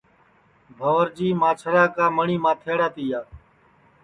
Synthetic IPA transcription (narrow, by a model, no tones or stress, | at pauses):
bʱəʋəɾd͡ʒiːmãːt͡ʃʰəɾaːkaːməɳiːmãːt̪ʰeːɽaːt̪iːjaː